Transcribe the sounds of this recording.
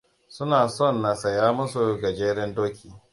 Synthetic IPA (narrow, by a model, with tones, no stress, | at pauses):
sʊ˦naː˨sɔ˦˨nːa˨sɐ˨jaː˦mʊ˦su˨ɡɐ˨d͡ʒeː˦ɾɛ˦ndoː˦kʲʰiː˨